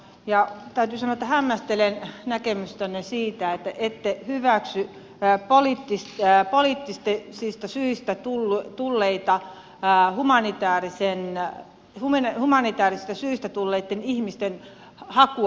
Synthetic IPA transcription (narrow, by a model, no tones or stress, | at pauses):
jɑt̪æyt̪yːsɑnoet̪ːɑhæmːæst̪elennækemyst̪ønːesiːt̪æet̪ːæʔet̪ːehyʋæksy | poliːt̪ːispoliːt̪ːist̪esist̪ɑsyist̪æt̪ult̪ulːeit̪ɑ | humɑnit̪æːrisen | humnhumɑnit̪æːrisist̪æsyist̪æt̪ulːeit̪ːenihmist̪en | hɑku